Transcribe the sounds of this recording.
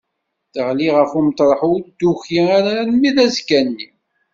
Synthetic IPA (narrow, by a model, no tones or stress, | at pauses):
θəʁliʁəfumt̪ɾˤəħud̪uçiaɾanmiðæzkænːi